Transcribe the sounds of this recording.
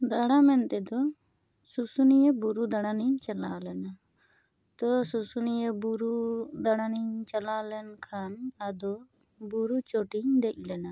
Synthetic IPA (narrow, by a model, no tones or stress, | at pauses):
d̪aɽamɛnt̪ɛd̪ɔ | susunijebuɾud̪aɽaniɲt͡ʃalalɛna | t̪ɔsusunijebuɾud̪aɽaniɲt͡ʃalalɛnkʰanad̪ɔ | buɾut͡ʃoʈiɲd̪ɛc̚ˀlɛna